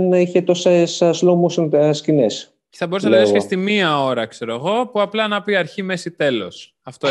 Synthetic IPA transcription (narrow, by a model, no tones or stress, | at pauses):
niçet̪o̞sesslomusscines | ceθɐbo̞ɾussenɐsɐst̪imiɐo̞ɾɐkse̞ɾoeɣo̞puɐplɐnɐpiɐɾçime̞sit̪e̞lo̞̰s | ɐft̪o